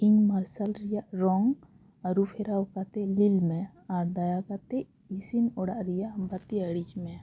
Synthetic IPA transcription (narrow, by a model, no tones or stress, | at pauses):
inmaɾsalɾijaɾɔŋ | əɾupʰeɾaokat̪elilmẽ | aːɾd̪ajakat̪e | isinoɽaɾijambat̪iəɽit͡ʃmẽ